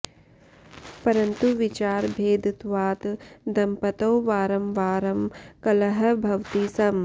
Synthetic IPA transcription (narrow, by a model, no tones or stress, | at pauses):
pɐɾɐnt̪uʋɪt͡ʃaːɾbʱeːd̪t̪ʋaːt̪d̪ɐmpɐt̪oːʋaːɾɐmʋaːɾɐmkɐlɐɦɐ̆bʱɐʋt̪isɐm